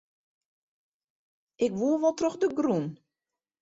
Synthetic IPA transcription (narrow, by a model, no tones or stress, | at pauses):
ʔɪkʋuəʋɔlˠtrɔxdəɡrun